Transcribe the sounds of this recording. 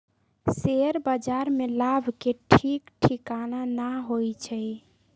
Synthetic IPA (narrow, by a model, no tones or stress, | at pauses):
seɾbəd͡ʒaɾmelabʱkeʈʰikʈʰikananaɦojt͡ʃʰɛj